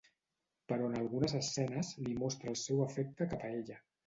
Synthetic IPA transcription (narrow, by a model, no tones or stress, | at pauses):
pəɾɔənəlˠɣunəzəsɛnəzlimɔst̪ɾəːlˠsɛwəfɛk̚t̪əkapəeʎə